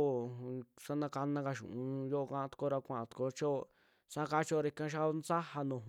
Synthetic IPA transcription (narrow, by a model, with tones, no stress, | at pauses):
sa˦nã˧ka˧nã˧ka˧ʃṵ̃˨ũ˧jo˦ʔo˧kã˦ʔã˧t̪ko˧ɾa˧kʷã˧ʔã˧t̪u̥˧ko˧˦t͡ʃo˦˧ | sa˦ka˦t͡ʃo˦˧ɾe˧i˧kã˦ʃ̬a˦˧nt͡sa˦ha˧nõ˨ɦ